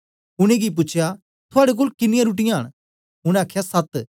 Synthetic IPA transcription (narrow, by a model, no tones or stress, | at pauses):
ʊɽ̃ẽɡip̬ʊːt͡ʃʰja | t̪ʰʊaːɽek̬oːlkɪnɪjãɾuːʈ̬ɪjãɦɐ̰ɽ̃ | ʊɽ̃ɛ̃aːkʰːjasɐt̪